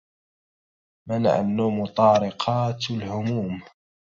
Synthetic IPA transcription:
mana̰ʕa̰nːuːmʊt̪ˤɑːɾɪqʰɑːt̪lhʊmuːm

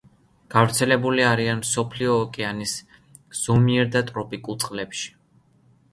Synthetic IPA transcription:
ɡ̥avɾt̪sʰɛlɛbuliaɾianmsɔpʰliɔːkʼɛanis | z̥ɔmiɛɾd̪at̪ʼɾɔpʼikʼulˠt̪sʼqʼlɛpʃi̥

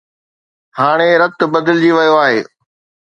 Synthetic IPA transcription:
haːɽ̃eɾɐt̪bɐd̪ɪld͡ʑiːʋɐjoaːɦeː

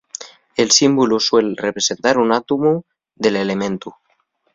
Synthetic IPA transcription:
elsimbuluswelrepɾesent̪aɾunat̪umu | ðelelemẽnt̪u

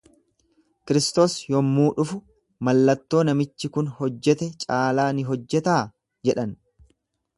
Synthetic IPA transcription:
kɪɾɪst̪o̞ːsjɔmːuːᶑʊfʊ | mɐlːɐt̪ːo̞ːnɐmɪt͡ʃːɪkʊnhɔd͡ʒːɛt̪ɛt͡ʃʼaːlaːnɪɦɔd͡ʒːɛt̪aː | d͡ʒɛᶑɐn

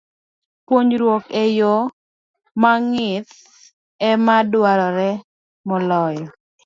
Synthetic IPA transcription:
pwoɲɾwokɛjo | maŋɪt̪ | ɛmadwaɾɔɾɛ | mɔlɔj

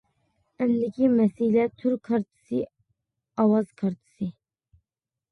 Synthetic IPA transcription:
ɛnd̪ɪkʲʰimɛsilɛt̪ʰuɾkʰɑɾt̪ʰɨ̥si | ɑwɑzkʰɑɾt̪ʰɨ̥si

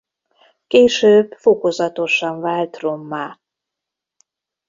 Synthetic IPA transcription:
keːʃøːbfokozɒt̪o̞ʃɒɱvaːlt̪romːaː

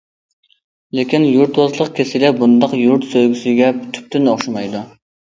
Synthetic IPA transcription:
lɪkʲinjuɾt̪wɑzlˠəqkʲʰesɪlɛbund̪ɑqjuɾt̪søjɡʲysɪɡʲɛpʰy̥t̪ʰy̥p̚t̪ynoχʃɑmɑjd̪u

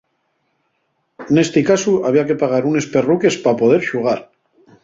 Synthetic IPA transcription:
ne̞st̪ekasuaβ̞iake̞paɣ̞aɾune̞spe̞ruke̞spapo̞ðe̞ɾʃuɣ̞aɾ

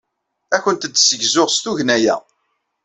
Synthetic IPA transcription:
æçʷənt̪əd̪səʝzʊʁst̪uʝnæjæ̰

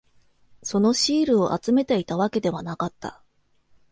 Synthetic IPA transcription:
so̞no̞ɕiːɾɯ̟o̞ʔa̰t͡sɨme̞t̪e̞it̪aβake̞d̪e̞β̞anakat̪ːa̰

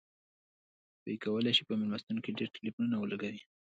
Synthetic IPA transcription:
bə̰ikawəlajʃi̥pəmɪlmast̪unokeɖeɾʈɪlifununawəlaɡawi

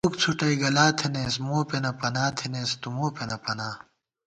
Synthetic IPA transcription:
ok̚t͡sʰuʈɐiɡɐlaːt̪ʰeneːsmoːpenɐpɐnaːt̪ʰeneːst̪umoːpenɐpɐnaː

